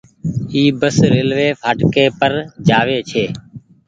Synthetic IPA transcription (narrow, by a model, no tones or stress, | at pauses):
iːbəsɾeːlʋeːfʰaːʈkeːpəɾd͡ʒaːʋeːt͡ʃʰeː